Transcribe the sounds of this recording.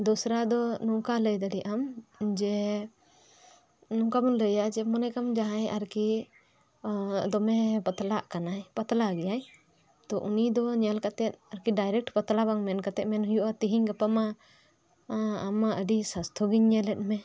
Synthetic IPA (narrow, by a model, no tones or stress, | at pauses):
d̪ɔsɾad̪ɔnũkaləjd̪aɽiʔamd͡ʒɛ | nũkamɔnləjad͡ʒɛmɔnɛkamd͡ʒaɦajʔaɾki | d̪ɔmɛpət̪laʔkanajpət̪laɡɛjaj | t̪ɔʔunid̪ɔɲalkat̪ɛt̪̚aɾkiɖajɾɛk̚ʈpət̪labaŋmɛnkat̪ɛʔ̪mɛnɦujuʔat̪iɦiɲɡəpama | maʔəɖisast̪ʰɔɡiɲːɛlɛt̪̚mɛ̃